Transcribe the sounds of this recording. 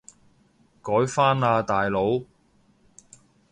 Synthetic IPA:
kɔː˨˥jfaː˥naː˧t̪aː˨jlo˨˧˥w

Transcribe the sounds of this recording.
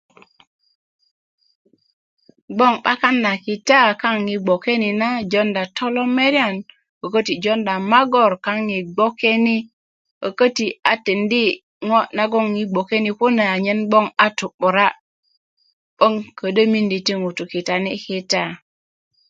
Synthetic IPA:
ɡ͡bo˦˨ŋɓa˦ka˦nda˨ki˨ta˦˨ka˦ŋːi˨ɡ͡bo˨ke˦ni˨na˦d͡ʒo˦nda˨tʰo˦lo˦me˦ɾi˦a˦˨n | o˨kə˦ti˨d͡ʒo˦nda˨ma˦ɡo˦˨ɾka˦ŋːi˨ɡ͡bo˦ke˦ni˦ | ə̰˨kə˦ti˨a˨ti˨ndi˦ | ŋo˦na˦ɡo˦ŋji˦ɡ͡bo˨ke˦ni˨ku˦na˨a˨ɲe˦nbo˦ŋa˨tu˨ɓu˨ɾa˦ | ɓə˦ŋkə˨də˦mi˦ndi˨ti˦ŋu˨tu˨ki˨ta˨ni˦ki˦ta˦˨

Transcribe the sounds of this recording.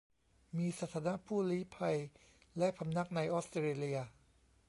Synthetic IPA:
miː˧sa˧˩t̪ʰaː˨˦˥na˦˥ʔpʰuː˥˩liː˦˥pʰa˧j | lɛ˦˥ʔpʰa˧mna˦˥k̚na˧jʔoː˦˥st̪ːeː˧li˧ɐ

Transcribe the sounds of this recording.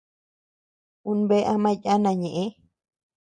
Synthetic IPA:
u˧nbe˦ʔa˧mã˧ja˦nã˧ɲẽ˨ʔe˦

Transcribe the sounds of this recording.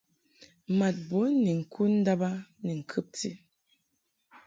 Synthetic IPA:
ma˨t̚bo˨˦ni˨ŋ̩˨kʰu˦n̩˦da˦ba˦ni˨ŋ̩˨kʰɨ˦p̚tḭ˦˨

